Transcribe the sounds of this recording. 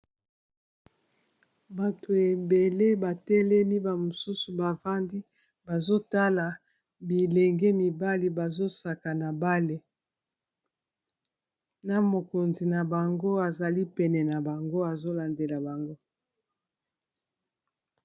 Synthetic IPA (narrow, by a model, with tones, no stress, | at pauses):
ba˨to˨e˨be˨le˦ba˨tɛ˦lɛ˦mi˦ba˨mo˨su˦su˨ba˨va˦ndi˦ | ba˨zo˦ta˦la˨ | bi˨lɛ˨ŋɡɛ˦mi˨ba˦li˨ba˨zo˦sa˨ka˨na˨ba˦le˨ | na˨mo˨ko˨nzi˨na˨ba˨ŋɡo˦a˨za˨li˦pɛ˨nɛ˨na˨ba˨ŋɡo˦a˨zo˦la˨nde˨la˨ba˨ŋɡo˦